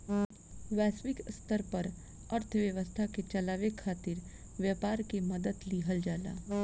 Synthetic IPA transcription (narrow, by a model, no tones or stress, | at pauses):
ʋɛːswɪkst̪ʰəɾpɐɾ | əɾt̪ʰʋjəʋəst̪ʰaket͡ʃɐlaːʋekʰaːt̪ɪɾ | ʋjaːpaːɾkemɐd̪əd̪liɦəld͡ʒaːla̰ː